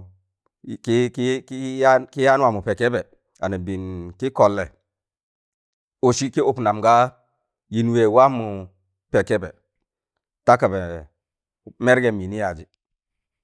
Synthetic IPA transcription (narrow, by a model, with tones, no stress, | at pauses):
ki˦ki˦ki˦a˦ki˦ja˦n˦wa˦˨mu˨pe˨kɛ˦bɛ˨ | a˨ni˨bi˨nki˦kɔ˨lːɛ˨ | o˨si˦ki˦o˨pna˨mɡa˦ | ji˨n˨we˨wa˦mu˨ | pɛ˨kɛ˦bɛ̰˨ | ta˦ka˨bɛ˨ | me˦ɾɡɛ˨mi˨ni˦ja˨d͡ʒi˨